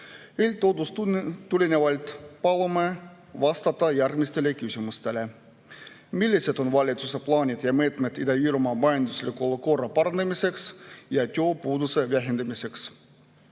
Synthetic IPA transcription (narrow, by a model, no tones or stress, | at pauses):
elʲt̪od̪ust̪ulʲinʲeʋɑlʲt̪pɑlome | ʋɑst̪ɑt̪ːɑjærmist̪elekysʲymust̪ele | milʲːiset̪onʋɑlʲit̪suseplɑːnʲit̪jɑmeːt̪met̪id̪eiːɾumɑːmɑend̪uslʲikolukorɑpɑrɑnd̪ɑmiseksjɑt̪ʲoːpuːd̪useʋæɦend̪æmise̞ks